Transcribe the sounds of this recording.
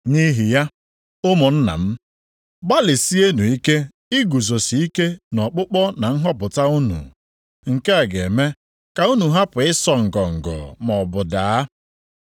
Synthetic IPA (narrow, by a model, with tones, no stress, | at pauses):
ni˦ɦi˨ja˦ | ʊ˦mʊ˨n̩˦na̰˨m̩˦ | ɡ͡ba˦lɪ˨si˦e˦nu˨i˦ke˦ | i˦ɡu˨zo˨si˨i˦ke˦nɔ˨k͡pʊ˦k͡pɔ˦na˨n̩˦ɦɔ˦pʊ˨ta˦u˦nṵ˨ | ŋ̩˨ke˦a˨ɡe˨me˦ | ka˨u˦nu˨ɦa˦pʊ˨ɪ˦sɔ˨ŋ̩˨ɡɔ˨ŋ̩˨ɡɔ̰˨m˨ɔ˨bʊ˨da˨a˦